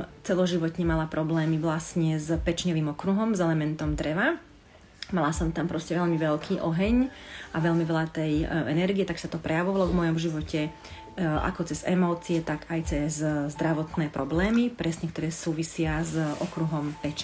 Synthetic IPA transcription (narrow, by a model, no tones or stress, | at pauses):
t͡sɛlɔʒiʋɔt̪ɲɛmalapɾɔblɛːmiʋlasɲɛzpɛt͡ʃɲɔʋiːmɔkɾuɦɔmzɛlɛmɛnt̪ɔmd̪ɾɛʋa | malasɔmt̪ampɾɔscɛʋɛʎmiʋɛʎkʰiːʔɔɦɛɲaʋɛʎmiʋɛlat̪ɛjʔɛnɛɾɡiɛt̪aksat̪ɔpɾɛjaʋɔʋalɔvmɔjɔmʒiʋɔcɛ | ʔa̰kɔt͡sɛzɛmɔːt͡siɛt̪aɡajt͡sɛzzd̪ɾaʋɔt̪nɛːpɾɔblɛːmipɾɛsɲɛkt̪ɔɾɛːsuːʋisɪazʔɔ̰kɾuɦɔmpɛt͡ʃ